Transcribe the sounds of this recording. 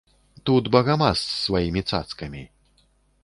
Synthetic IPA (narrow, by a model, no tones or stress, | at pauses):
t̪ud̪bɐɣamasːvajimʲit̪sa̰t̪skɐmʲi